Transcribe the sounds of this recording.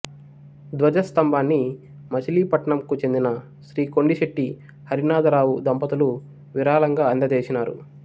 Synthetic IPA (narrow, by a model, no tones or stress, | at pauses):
d̪ʋɐd͡ʒɐst̪ɐmbʱaːnːi | mɐt͡ʃɐliːpɐʈɐɳɐmkut͡ʃe̞nd̪inɐ | ʃɾiːko̞ɳɖiʃeʈːi | hɐɾinaːd̪ɐɾaːwud̪ɐmpɐt̪ulu | ʋiɾaːlɐŋɡaːɐnd̪ɐd̪eːt͡ʃinaːɾṵ